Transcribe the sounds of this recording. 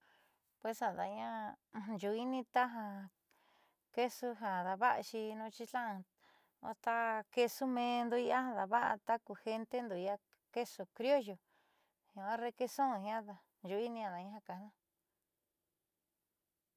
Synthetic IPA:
pwe˧sa˨ða̰˨ɲã˦˧ʒu˧i˦nĩ˦t̪a˦ɦa˧ | ke˦su˧ɦa˨ða˧βa˦ʔa˧ʃi˧nũ˧˦t͡ʃi˧tã˦˧ | o̰˧t̪a˦ke˧su˦mẽ˧nd̪u˧i˧a˦hã˧ða˧βa˦ʔa̰˧t̪a˦ku˧he˧nt̪e˦nd̪u˨i˧a˧ | ke˦su˧kɾjo˦jo˨ | hã˦ɾe˧ke˧sõ˦˧hã˦ða˧ | ʒu˧i˦nĩ˧ã˧ða˨ɲã˦ã˧ka˨˦nã˦

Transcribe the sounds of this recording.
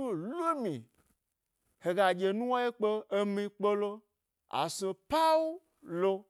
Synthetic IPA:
o˦lo˦mĩ˨ | he˨ɡa˨d͡ʒe˨nũ˦wo˦e˦k͡pe˦e˦mĩ˦k͡pe˦lo˦ | a̰˨sõ˨pa˦wu˦ | lo˦

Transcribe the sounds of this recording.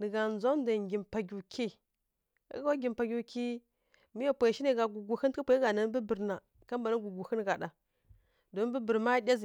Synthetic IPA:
nə˨ɡa˨n˦za˦n˦da˨ŋɡʲi˨mpa˨ɡʲu˨kʰi˦ | a̰˦ɡwa˦ɡʲi˨mpa˨ɡʲu˨ki˦ | mi˦ja˨pʷa˨ʃi˦ne˨ɡa˨ɡu˨ɡu˨hi˦n˦pʷa˨˦ɡa˨na˨n˦bə˦bə˨ɾna˨ | ka˦mba˨na˦ɡu˨ɡu˨xə˦n˨ɡa˨da˨ | do˨˦n˦bə˦bə˨ɾma˦dʲa˦zi˨

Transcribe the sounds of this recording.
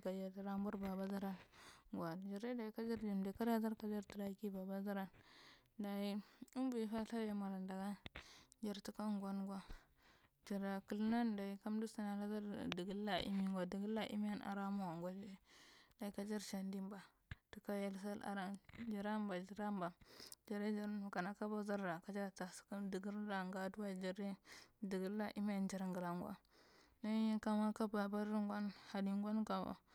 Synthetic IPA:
ɡa˨ja˨a˨ɾa˦mbu˦ɾba˨ba˦za˦ɾa˦nɡʷa˨d͡ʒa˨ɾa˦da˨i˨ka˦d͡ʒa˦ɾd͡ʒi˨mda˨˦ka˦ɾa˦za˦ɾka˨d͡ʒa˦ɾti˨ɾa˦ki˦ba˨ba˦za˦ɾa˦n | da˨i˦u˦mbu˨i˨fa˦ɬa˦a˨ma˨ɾa˨nda˨ɡa˦d͡ʒa˨ɾtu˨ka˦ŋɡwa˦nɡwa˦ | d͡ʒa˨ɾa˨kə˦lna˦nda˨i˨ka˦mdu˦sa˨na˨la˦za˦ɾdi˨ɡi˦lːa˦ʔḭ˦mi˦ŋɡʷa˨di˨ɡi˦lːa˦ʔḭ˦mi˦ja˦na̰˨ɾa˦mu˦wa˨ŋɡʷa˨d͡ʒda˨i˦ka˦d͡ʒa˦ɾʃa˨ndi˦mba˨ | tu˨ka˦ja˦ls̬a˦lʔa̰˨ɾa˦d͡ʒa˨ɾa˦mba˨d͡ʒa˨ɾa˦mba˨d͡ʒa˨ɾe˦d͡ʒa˨ɾnu˨ka˨na˨ka˦ba˦za˦ɾːa˨ka˦d͡ʒa˦ɾta˨ska˦di˨ɡi˦ɾɾa˨ŋɡa˨du˦wa˦d͡ʒa˨ɾe˦di˨ɡu˦la˦ʔi˦m˦a˨nd͡ʒa˨ɾŋɡə˨la˨ŋɡʷa̰˦ | na˦ka˦ma˦ka˦ba˨ba˦ɾɾi˦ŋɡʷa˦nha˨di˦˨ŋ˦ɡʷa˦nka˨ba̰˨

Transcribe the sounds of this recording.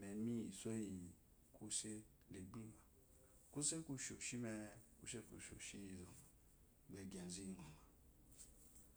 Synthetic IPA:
mɛ˨˦mĩ˦i˨sɛ˦ji˨ | kʰu˦se˦ | le˨ɡ͡bu˦ma˨ | ku˦se˦ku˦ʃo˨ʃi˦mɛ˧kṵ˦ʃe˦kṵ˨ʃo̰˨ʃi˦i˧˨zɔ˨ma˨ | ɡ͡bɛ˧ɡã˨zi˦nɔ˨ma˨

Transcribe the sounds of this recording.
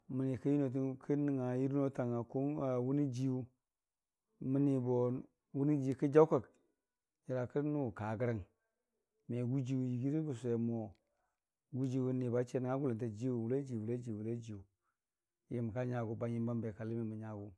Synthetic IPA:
mə˨ni˨kə˦ji˦no˨t̬u˦kʰə˦ni˨ŋa˨ji˦ɾno˦ta˨ŋa˨ku˦a˨wu˦ni˦d͡ʒi˦u˦ | mə˦ni˨bo˨ | wu˦ni˦d͡ʒi˦kə˦d͡ʒa˦ka˨k | ɲi˨ɾa˨kə˦nu˦˨ka˨ɡə˦ɾa˦ŋ | me˨ɡu˦d͡ʒi˦wu˨ji˨ɡi˦ɾi˦ku˨sʷe˨mo˨ | ɡu˦d͡ʒi˦wu˦ni˨ba˦t͡ʃe˦ni˨ŋa˦ɡu˦la˨nta˨d͡ʒi˦wu˨wu˨le˦d͡ʒi˨wu˨la˦d͡ʒi˨wu˨la˦d͡ʒi˨wu˨ | ji˨m˨ka˦ɲa˨ɡu˨ba˦ɲi˦m˦ba˦mbe˨ka˨li˦me˨ma˨ɲa˨ɡu˦

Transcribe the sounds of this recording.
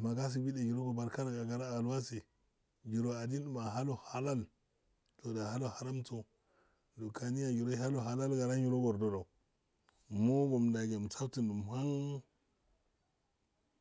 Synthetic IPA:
ma˨ɡa˦s̬i˨bi˦da˨d͡ʒi˨ɾo˦ɡo˨ba˨ɾka˦ɾa˨ɡa˨ɡa˨ɾa˦a˨la˦si˨ | d͡ʒi˨ɾo˦a˨di˦n˦˨ma˨ɦa˦lo˨ha˨la˦l | to˨da˨ɦa˦lo˦ha˨ɾa˦mto˨ | do˨ka˨ni˦ja˨d͡ʒi˨ɾo˦a˦lo˨ɦa˨la˦lɡa˨ɾa˦ji˨ɾo˦ɡo˨ɾdo˨da˨u˨ | mo˦ɡo˨mda˨ɡe˨m˨t͡sa˦wti˨nu˨m˨ha˦ŋ

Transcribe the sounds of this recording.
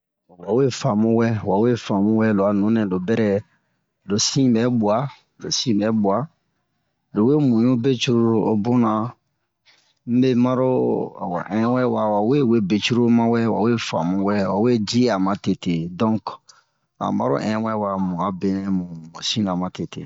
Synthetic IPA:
wa˨we˦fa˨mũ˦wɛ˦wa˨we˦fa˨mũ˦wɛ˦lo˨a˨nũ˦nɛ̃˨do˨bɛ˦ɾɛ˦ | lo˨sĩ˦bɛ˦bu˨a˦ | lo˨sĩ˦bɛ˦bu˨a˨ | lo˨we˦mũ˨jũ˦be˦t͡ʃu˦ɾu˦o˦o˦bo˦nã˨ | m̩˦be˦ma˦ɾo˦a˨wa̰˨ʔɛ̃˦wɛ˦wa˨wa˨we˦we˦be˨t͡ʃu˦ɾo˦mã˦wɛ˦wa̰˨we˦fa̰˨mũ˦wɛ˦wa˨we˦d͡ʒi˦a˨ma˨te˨te˨dɔ̃˦ŋk | a̰˨ma̰˦ɾo̰˦ʔɛ̃˦wɛ˦wa˨mũ˨a˦be˨nɛ̃˦mũ˨mũ˨sĩ˦nã˨ma˨te˨tḛ˨

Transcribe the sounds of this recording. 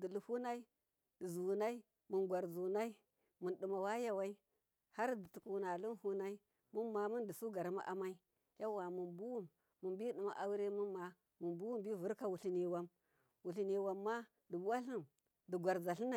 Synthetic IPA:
di˨lu˨fu˦na˦i˦ | di˨zu˨na˦i˦ | mu˨nɡʷa˨ɾzu˨na˦i˦ | mu˨nɗi˨ma˨wa˦ja˦wa˦i˦ | ha˦ɾdi˨tu˨ku˨na˨lu˦nhu˦na˦i˦ | mu˦nma˨mu˦ndi˨su˦ɡa˨ɾma̰˦ʔa̰˨ma˦i˦ | ja˦wa˨mu˨nbu˦wu˦mː | u˨mbi˦ɗi˨ma̰˨ʔa˨wu˦ɾe˦mu˦ma˨ | mu˨nbu˦wu˦mbi˦˨vu˦ɾka˦wu˨ɬi˦ni˨wa˦m | wu˨ɬi˨ni˨wa˨mːa˦ | di˨bu˦wa˦ɬi˦m | di˨ɡʷa˨ɾza˨ɬi˦na˨

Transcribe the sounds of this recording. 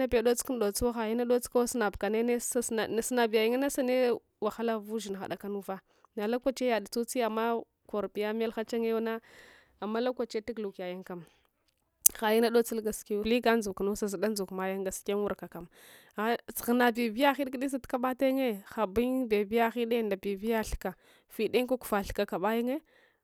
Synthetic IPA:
na˦be˨do˦t͡sku˦ndo˨t͡swa˦xa˨ji˦na˦ɗo˦t͡ska˦wsna˨bka˨ne˦ne˦sa˦ssna˨bi˨a˨ji˨ŋa˦na˦sa˦ne˦ | wa˨xa˦la˦vu˦ʒi˨n˨a̰˨ɗa˨ka˦nu˦va˦ | na˨la˦kʷa˨t͡ʃe˦ja˨da˨t͡su˦t͡si˦a˨mːa˦ | ko˨ɾbi˨ja˦m˦a˦lxa˦t͡ʃa˦ŋe˦na˦ | a˨mːa˦la˦kʷa˨t͡ʃe˦ti˦ɡlu˨ka˨ja˦ŋka˨m | xa˨ji˦na˦do˦t͡si˦lɡa˨ski˦li˦ɡa˦nzu˨knu˦sa˨zi˨da˦n˦zu˨kma˨ja˦ŋɡa˨ske˦nwu˦ɾka˨ka˨m˨ | t͡sɣna˨bi˨bi˦ja˦xi˦ɗɡi˦di˦s̬a˦tka˦ɓa˦ta˦ŋe˦xa˨bi˦ŋbe˨bi˦ja˦xi˦ɗe˦˨nda˨bi˨vi˦ja˦ɬka˨ | fi˨de˦ŋ˦ka˦ku̥˨fa˨ɬka˨ka˨ɓa˦ji˦ŋe˦

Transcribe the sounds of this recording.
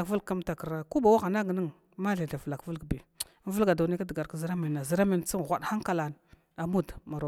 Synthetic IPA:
a˨və˦lkːa˦mta˨kə˨ɾa˦ku˦ba˨wa˦ɣa˨na˦ɡnə˦ŋ | ma˦ɮi˨da˨vla˨kvə˦lɡbi˨˦ | və˦lɡa˨da˨ne˦ka˦dɡa˨ɾkzi˦ɾa˦mi˨nːa˨zi˨ɾa˦mi˨nt͡si˦ŋ˨ɣʷa˨ɗxa˦ŋka˨la˨n˨ | a˨mu˦dma˨ɾa˨

